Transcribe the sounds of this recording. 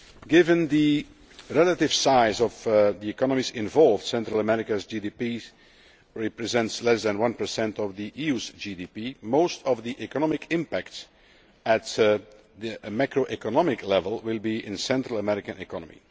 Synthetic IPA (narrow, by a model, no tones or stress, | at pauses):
ɡɪvə̃nd̪i | ɹɛlətɪv̥saɪzɔvd̪iɛkɑnəmizɪ̃ɱvɔlˠvd̥sɛ̃ntɹəlˠəmɛɹɪkəzd͡ʒidipi | ɹɛpɹɛzɛ̃ntslɛsðə̃nwʌ̃npə˞sɛ̃ntɔvðiʔiuzd͡ʒidipimoʊstʰɔvðiʔɛkɔnɔmɪkʰɪ̃mpæk̚ts | æt | dəmakɹoʔɛkɔnɑmɪklɛvəlˠwɪlˠbiɪ̃nsɛ̃ntɹəlˠəmɛɹɪkə̃nɪkʰɑnəmḭ